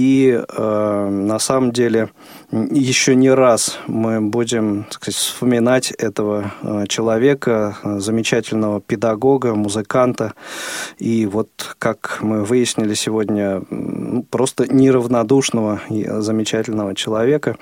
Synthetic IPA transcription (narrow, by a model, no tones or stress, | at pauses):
iənɐsaməmdʲelʲɪ | jɪɕːonʲɪɾasmɨbudʲɪmt̪ɐ̥skɐzatʲfspəmʲɪnatʲɛt̪əvət͡ɕɪlˠɐvʲe̞kəzəmʲɪt͡ɕætʲɪlʲnəvəpʲɪd̪ɐɡo̞ɡəmʊzɨkant̪ə | ivo̞t̪kakmɨvɨjɪsʲnʲɪlʲɪsʲɪvodʲnʲənupɾo̞st̪ənʲɪɾəvnɐd̪uʂnəvə̰zəmʲɪt͡ɕætʲɪlʲnəvət͡ɕɪlˠɐvʲe̞kə